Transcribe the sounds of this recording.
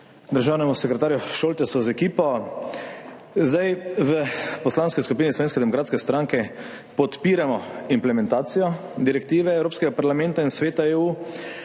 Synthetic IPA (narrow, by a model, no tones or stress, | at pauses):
d̪əɾʒaːwnɛmusɛkɾɛt̪aːɾjuʃoːlt̪ɛsɔzɛkiːpɔ | zd̪ajʋəpɔslaːnskiskup̬iːnislɔʋeːnskɛd̪ɛmɔkɾaːt̪skɛst̪ɾaŋkɛ | pɔt̪piːɾamɔimplɛmɛ̃nt̪aːt̪sijɔd̪iɾɛk̚t̪iːʋɛːwɾoːpskɛɡapaɾlamɛ̃nt̪ainsʋeːt̪aeːuː